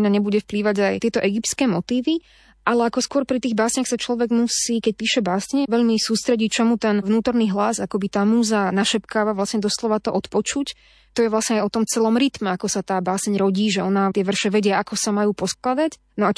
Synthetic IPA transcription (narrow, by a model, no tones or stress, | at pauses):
ɲaɲɛbuɟɛfpliːʋaɟaj̪ɪɛt̪ɔʔɛɡipt̪t͡sskɛːmɔt̪iːʋi | ʔalɛakɔskʊɔɾpɾit̪iːɣbaːsɲaxsat͡ʃlɔʋɛɡmusiːkɛc̚piːʃɛbaːsɲɛʋɛʎmisuːst̪ɾɛɟit͡ʃɔmut̪ɛnʋnuːt̪ɔɾniːɦlazakɔbit̪aːmuːzanaʃɛpkaːʋaʋlasɲɛd̪ɔslɔʋat̪ɔʔɔt̪pɔt͡ʃuc | t̪ɔjɛʋlasɲɛajɔt̪ɔmt͡sɛlɔmɾit̪mɛakɔsat̪aːbaːsɛɲɾɔɟiːʒɛɔnat̪ɪɛʋr̩ʃɛʋɛɟɪɛʔakɔsamajuːpɔsklad̪ac | nɔa